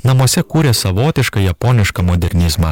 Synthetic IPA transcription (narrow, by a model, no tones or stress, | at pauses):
nɐmuɔsʲɛkuːɾʲeːsɐʋoːt̪ʲɪʃkɐjɛpoːnʲɪʃkɐmɔd̪ʲɛɾʲnʲɪzmɑ